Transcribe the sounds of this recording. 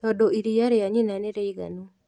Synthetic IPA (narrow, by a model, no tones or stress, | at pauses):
tɔdoiɾijaɾeaɲinaneɾeiɡa̰no